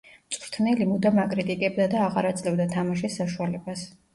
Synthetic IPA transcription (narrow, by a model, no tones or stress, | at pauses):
t̪sʼɾt̪ʰnɛlimud̪amakʼɾit̪ʼikʼɛbd̪ad̪aːʁaɾat̪sʼlɛvd̪at̪ʰamaʃɛsːaʃualɛbas